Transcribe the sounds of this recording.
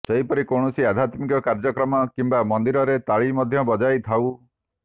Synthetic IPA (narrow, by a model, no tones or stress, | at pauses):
sɔɦipɔɾikoɳɔsiad̪ʱjat̪mikɔkaɾd͡ʒɔkɾɔmɔkimbamɔnd̪iɾɔɾet̪aɭimɔd̪ʱjɔbɔd͡ʒajt̪ʰaw